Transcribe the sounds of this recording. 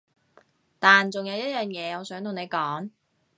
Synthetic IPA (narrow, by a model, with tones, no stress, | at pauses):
t̪aː˨nt͡sʊ˨ŋjɐ˨˧wjɐ˥t̚jœː˨˩ŋjɛː˨˧ɔː˨˧sœː˨˥ŋt̪ʰʊ˨ŋne˨˧jkɔː˨˥ŋ